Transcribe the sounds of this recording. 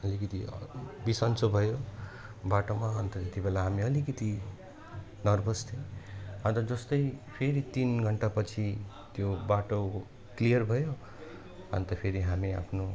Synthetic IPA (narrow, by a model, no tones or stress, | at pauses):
ʌlikʌt̪ḭbisʌnt͡sobʱʌjo | baʈomaɦʌnt̪ʌt̪et̪ibelaɦamiʌlikʌt̪i | nʌrbʱʌst̪ʰĩɦʌ̃nt̪ʌd͡zʌst̪ʌjpʰeɾit̪inɡʱʌɳʈapʌt͡sʰi | t̪jobaʈo | klijʌrbʱʌjo | ʌ̰nt̪ʌpʰeɾiɦamia̰pʰno